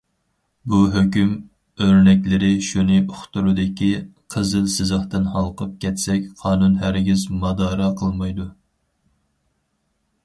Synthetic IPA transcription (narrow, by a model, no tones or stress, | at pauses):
buɦøkʲym | øɾnɛkʲlɪɾɪʃunɨoχt̪uɾud̪ɪkʲiqʰəzɨlsɨzəχt̪ɨnhɑlˠqʰəp̚kʲʰɛt̪sɛkʲqʰɑːnunɦæɾɡʲizmɑd̪ɑːɾɑqʰəlˠmɑjd̪u